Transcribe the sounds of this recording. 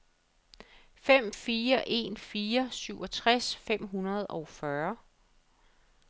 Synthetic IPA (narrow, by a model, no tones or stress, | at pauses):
fem̰fiːɐʔe̝̰ːnfiːɐsyʊɒ̽t͡sʰʁasfem̰ɦunɐð̞̩ˠɒʊfɶɐ